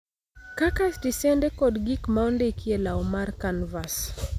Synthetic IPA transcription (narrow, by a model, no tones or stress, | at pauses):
kakasdisɛndekɔdɡikmaondekielaɔmarkanvas